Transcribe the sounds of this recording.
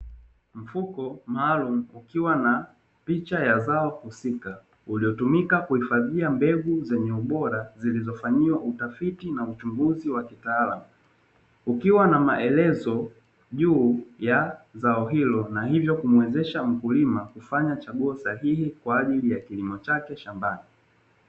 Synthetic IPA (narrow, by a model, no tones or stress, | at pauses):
m̩fukɔmaːlum̩ukiwana | pit͡ʃajazaɔhusika | uliɔtumikakuhifaðiambɛɠuzɛɲɛuɓɔɾazilizɔfaɲiwaʔutafitinaut͡ʃuŋɡuziwakitaːlamu | ukiwanamaʔɛlɛzɔ | ʄuːjazaɔɦilɔnahivjɔkumwɛzɛʃam̩kulimakufaɲat͡ʃaɠuɔsahihikwaːʄilijakilimɔt͡ʃakɛʃambani